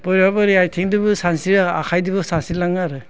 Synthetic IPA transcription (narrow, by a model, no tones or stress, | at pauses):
b̥ɔɾabaɾiajtʰiŋdibusansiɾa̰kʰajdibɯsansilaŋaɾɯ